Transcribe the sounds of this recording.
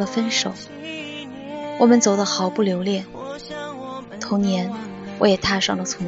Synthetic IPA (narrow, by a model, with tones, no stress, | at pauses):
ə˧fə˥nʂo˨˩˦ʊ | wɔ˨˩mə˦nt͡so˨˩ʊd̪ə˦xɑ˨˧˦ʊpu˥˩ljo˧˥ʊljɛ˥˩ | t̪ʰʊ˧˥ŋnjɛ˧˥nwɔ̰˧˥jɛ˨˩t̪ʰa˥˧ʂɑ˥˩ŋlə˩t͡sʰʊ˧˥